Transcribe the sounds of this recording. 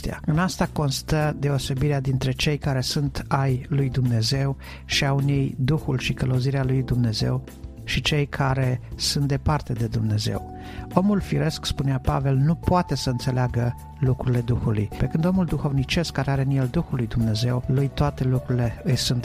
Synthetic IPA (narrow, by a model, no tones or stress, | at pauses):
t̪ḛa̰ɨnast̪ako̞nst̪əd̪e̞o̞se̞biɾead̪int̪ɾe̞t͡ʃe̞jkaɾe̞sunt̪ajlujd̪umne̞ze̞w | ʃiaunejd̪uxulʃikələwuziɾealujd̪umne̞ze̞̰w | ʃit͡ʃe̞jkʰaɾe̞sunt̪̚d̪e̞part̪e̞d̪e̞d̪umne̞ze̞̰w | o̞mulfiɾe̞skspuneapa̰ve̞lnupoat̪e̞səɨnt̪se̞leaɡə | lukɾuɾile̞d̪uxulṵjpe̞kɨnd̪o̞muld̪uxo̞vnit͡ʃe̞skkːaɾeaɾe̞ɨnje̞ld̪uxulːujd̪umne̞ze̞wlujt̪oat̪e̞lukɾuɾile̞ɨjsunt̪